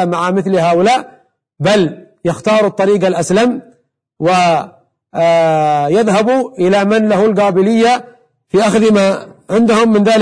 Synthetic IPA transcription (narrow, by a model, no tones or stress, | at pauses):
amaʕamɪθlhaːʔʊlaːʔ | bal | jɪxt̪ɑːɾˤut̪ˤːɑɾiːɡalʔaslam | wɪ | jɪðɦabuʔɪlamɪnlahʊlɡaːbɪlɪjːa | fiʔaxðmaʕɪnd̪hʊmːɪnðaːl